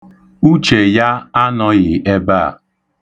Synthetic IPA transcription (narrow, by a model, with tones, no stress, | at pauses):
u˦t͡ʃe˨ja˦a˦nɔ˦ɣɪ˨e˦ba˦˨